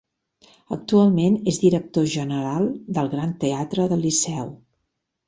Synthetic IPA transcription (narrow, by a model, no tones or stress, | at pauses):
ək̚t̪ualˠmenezðiɾək̚t̪oʒənəɾalˠd̪əlˠɣɾant̪əat̪ɾəðəlisɛw